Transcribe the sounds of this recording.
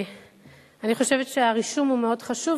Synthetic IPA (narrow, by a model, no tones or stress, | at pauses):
aniχo̞ʃe̞vetʃeaʁiʃumhumeo̞dχaʃuv